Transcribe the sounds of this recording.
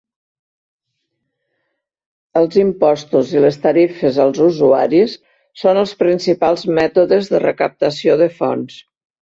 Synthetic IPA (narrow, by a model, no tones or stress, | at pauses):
əlˠzimpɔst̪uzilest̪əɾifəzəlˠzuzua̰ɾisː | onəlˠspɾinsipalˠzmɛt̪uðəzðərəkəp̚t̪əsioðəfɔ̰ns